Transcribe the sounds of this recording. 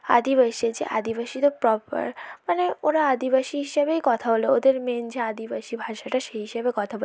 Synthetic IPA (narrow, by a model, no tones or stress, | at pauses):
a̰d̪iβaʃed͡ʑḛʔa̰d̪ibaʃit̪opɾɔpa̰ɾmaneoɾaad̪iβaʃiɦiʃebejkɔt̪ʰaboleod̪eɾmend͡ʑead̪ibaʃibʱaʃaʈaʃeɦiʃebekɔt̪ʰabol